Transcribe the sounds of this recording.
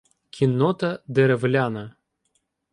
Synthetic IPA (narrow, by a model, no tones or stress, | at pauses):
kʲʰinːɔt̪ɐd̪ɛɾɛvlʲanɐ